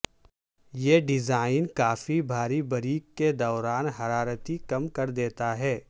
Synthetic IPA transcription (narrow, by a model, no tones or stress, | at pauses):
jeːɖɪzaːɪnkaːfibʱaːɾibɐɾiːkkːed̪ɔːɾaːnɦɐɾaːɾət̪ikɐmkɐɾd̪eːt̪aɦɛː